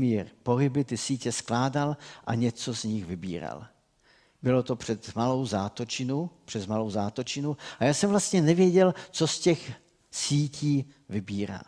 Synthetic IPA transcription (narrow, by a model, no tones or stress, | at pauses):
miːɾpo̞ɦɪbɪt̪ɪsiːcɛsklaːdalʔaɲɛt͡so̞zɲɪxvɪbḭːɾa̰l | bɪlo̞t̪o̞pr̝̥ɛt̪malo̞wzaːt̪ot͡ʃɪnupr̥ɛzmalo̞wzaːt̪ot͡ʃɪnuajaːsɛmvlast̪ɲɛnɛvjɛɟɛlt͡so̞scɛx | siːciː | vɪbiːɾa̰ː